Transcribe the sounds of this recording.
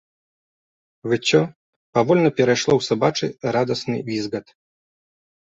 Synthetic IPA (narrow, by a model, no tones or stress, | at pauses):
vɨt͡ɕʲːɔ | pavɔlʲnɐpʲɛɾajʂlˠɔwsabat͡ʂɨ̰ɾad̪ɐsnɨ̰vʲizɣɐt̪